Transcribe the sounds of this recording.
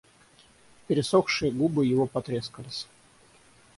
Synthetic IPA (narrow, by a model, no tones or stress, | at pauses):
pʲɪɾʲɪsoxʂɨjəɡubɨjɪvopɐt̪ɾʲeskəlʲɪsʲ